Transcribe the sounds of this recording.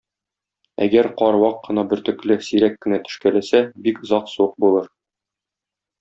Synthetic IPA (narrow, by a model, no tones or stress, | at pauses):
æ̰ɡæɾqɒɾwɑqːɤ̆nɑbɘ̆ɾt̪ɵ̆klɘsiɾækːɘ̆næt̪ɵ̆ʃkælæsæbikɤ̆zɑqsuq̚bulˠɤɾ